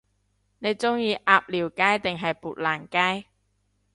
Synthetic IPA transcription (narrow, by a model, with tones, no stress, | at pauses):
ne˨˧jt͡sʊ˥ŋjiː˧ʔaː˨˧p̚liː˨˩wkaː˥jt̪ɪ˨ŋɦɐ˨jpuː˨t̚laː˨˩nkaː˥j